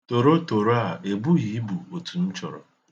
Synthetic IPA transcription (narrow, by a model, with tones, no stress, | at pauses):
to˨ɾo˦to˨ɾo˦a˨e˨bu˦ɣi˨˦bu˨o˨tu˨n̩˦t͡ʃɔ̰˨ɾɔ̰˨